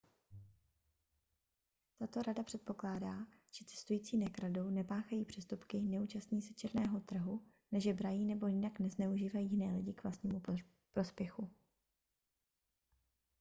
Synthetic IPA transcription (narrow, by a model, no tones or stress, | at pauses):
t̪at̪o̞ɾadapr̥ɛt̪̚po̞klaːdaːʒ̥ɛt͡sɛ̥st̪ujiːt͡siːnɛkɾado̞wnɛpaːxajiːpr̝̥ɛst̪upkɪnɛuːt͡ʃast̪ɲiːsɛt͡ʃɛɾnɛːɦo̞t̪r̩ɦu | nɛʒɛbɾajiːnɛbo̞jɪnaknɛznɛuʒiːvajiːjɪnɛːlɪɟɪkvlast̪ɲiːmu | pɾo̞spjɛxu